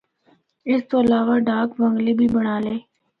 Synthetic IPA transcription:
ɪst̪oəlaːʋaɖaːkʋə̃ŋɡlibʱibəɽ̃aːleː

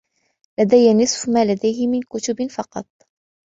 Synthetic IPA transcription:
lad̪ajːanɨsˤfmaːlad̪ajhɪmɪnkʊt̪ʊbfɑqɑ̰t̪̚ˤ

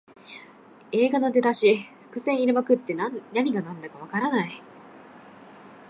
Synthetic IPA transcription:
e̞ːɡanod̪e̞t̪aɕiɸɯ̥kɯ̟sẽ̞ɰ̃iɾɯ̟makɯ̟t̪ːe̞anaɲ̟iɡanãnd̪akaβakaɾanai

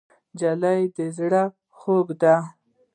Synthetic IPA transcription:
d͡ʒalajd̪əzɽa | xoɡd̪a

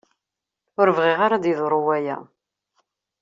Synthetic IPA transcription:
ʊɾəvʁiʁaɾad̪iðˤɾˤʊwæjæ̰

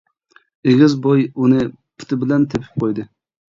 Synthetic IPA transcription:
eɡʲɪzbojunɨ | pʰʊ̥t̪ʰɪbɪlɛnt̪ʰepʰɪ̥p̚qʰojd̪ɨ

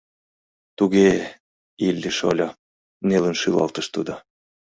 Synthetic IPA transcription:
t̪uɣe | ilʲːiʃo̰lʲ | nelə̆nʃylɑ̰lt̪ə̆ʃt̪ud̪o

